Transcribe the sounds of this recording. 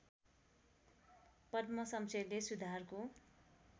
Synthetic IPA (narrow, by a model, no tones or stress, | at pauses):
pʌdmʌsʌmsʌjlesud̪ʱarko